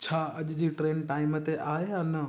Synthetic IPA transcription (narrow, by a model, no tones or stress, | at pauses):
t͡ɕʰaːɐʄd͡ʑiːʈɾeːnʈaːɪmət̪eʔaːɦeɦanə